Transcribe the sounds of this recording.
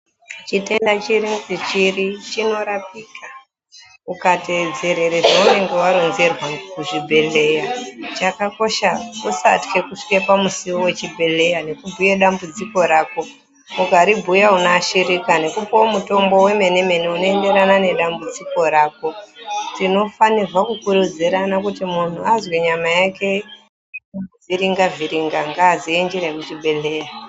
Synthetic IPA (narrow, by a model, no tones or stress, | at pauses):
t͡ʃite̞ndat͡ʃiɾiŋsit͡ʃirit͡ʃino̞ɾap̚iːkʰa | ukated͡zeɾe̞ɾeʐaune̞ŋɡe̞waɾonzerwakuʐibʱe̞le̞jat͡ʃakako̞ʃausa̰tke̞kuʂi̥ke̞pamusiwowe̞t͡ʃibʱe̞le̞jane̞kubʱujeɗambud͡ziko̞ɾaːko̞ | uɡʱaɾibʱujaunaːʃiɾikane̞kupoomuto̞mbo̞we̞me̞ne̞me̞neuno̞ende̞ɾanane̞ɗambud͡ziko̞ɾaːko̞tino̞fanirwakukuɾud͡ziɾanakutimun̤uazwiɲamajake̞ | uviɾiŋɡaviɾiŋɡaŋɡaːziend͡ʒiɾemut͡ʃibʱe̞le̞ja